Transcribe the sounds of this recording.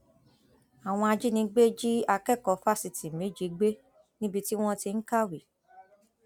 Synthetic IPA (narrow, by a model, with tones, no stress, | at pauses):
a˨w̃ɔ̃˧a˧d͡ʒi˦nĩ˧ɡ͡be˦d͡ʒi˦a˧kɛ˦˨kɔ˧˦fa˦˨si˧ti˨me˨˦d͡ʒi˨˦ɡ͡be˦ | nĩ˦bi˧ti˦w̃ɔ̃˦ti˧n̩˦ka˦˨wi˨